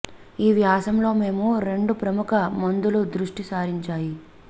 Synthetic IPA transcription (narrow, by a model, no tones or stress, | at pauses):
iːʋjaːsɐmlo̞ːme̞ːmuɾe̞ɳɖupɾɐmukɐmɐnd̪ulud̪ɾuʂʈisaːɾiɲt͡ʃaːji